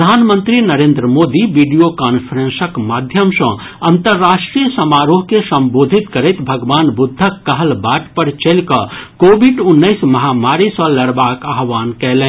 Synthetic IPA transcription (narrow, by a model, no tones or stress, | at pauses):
d̪ʱaːnmə̃nt̪ɾinɐɾẽːnd̪ɾəmoːd̪iʋiɖijokaːnpʰəɾẽnsəkmaːd̪ʱjəmsɔ̃ | ɐ̃nt̪əɾːaːʃʈɾijəsɐmaːɾoːɦkesɐ̃mboːd̪ʱit̪kɐɾət̪bʱɐɡʋaːnbʊd̪ʱːəkːɐɦəlbaːʈpəɾt͡ʃelkɐkoːbiɖʊnːəɪsmɐɦaːmaːɾisɔlɐɾbaːkaɦʋaːnkɛɦlẽ